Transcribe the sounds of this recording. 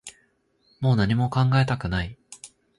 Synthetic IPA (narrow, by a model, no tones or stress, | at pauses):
mo̞ːnaɲ̟imo̞kãŋɡae̞t̪akɯ̟nai